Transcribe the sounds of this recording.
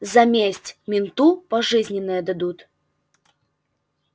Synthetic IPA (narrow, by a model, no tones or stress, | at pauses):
zɐmʲesʲtʲmʲɪnt̪upɐʐɨzʲnʲɪnːəjəd̪ɐd̪ut̪